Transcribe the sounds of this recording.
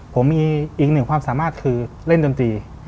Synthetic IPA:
pʰo˩˦miː˧ʔiː˨˩k̚nɯ˨˩ŋkʰwaː˧msaː˨˩˦maː˥˩t̪̚kʰɯː˧ | le˥˩ndo˧nt̪iː˧

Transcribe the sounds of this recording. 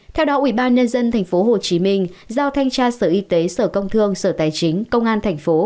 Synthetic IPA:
t̪ʰɛ˧wɗɔ˨˦ʔwḭ˧˩ɓaː˧nɲə˧nzə˧nt̪ʰɛ˨˩jŋ̟fo˨˦ɦo˨˩t͡ɕi˨˦mï˧ŋ̟zaː˧wt̪ʰa˧jŋ̟t͡ɕaː˧səː˧˩ʔi˧˦t̪e˨˦səː˧˩kə˧wŋ͡mt̪ʰɨ˧əŋsəː˧˩t̪aː˧˩jt͡ɕï˨˦ŋ̟kə˧wŋ͡mʔaː˧nt̪ʰɛ˨˩jŋ̟fo˨˦

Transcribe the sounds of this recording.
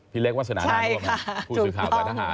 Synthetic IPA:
pʰi˦˥le˦˥k̚waː˥˩sa˧na̰ː˦˨t͡ɕʰa˧˦˥jkʰa˥˩ku˧u˨ɯ˨˩kʰaː˩waː˧˩˦tʰa˦˥ɦaː˨˦

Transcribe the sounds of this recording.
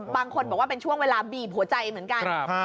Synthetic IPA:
baː˧ŋkʰo˧nbɔː˨˩k̚waː˥˩pe˧nt͡ɕʰu˥˩əŋweː˧laː˧biː˨˩p̚hu˩˦t͡ɕa˧jmɯ˩˦ənka˧n˧

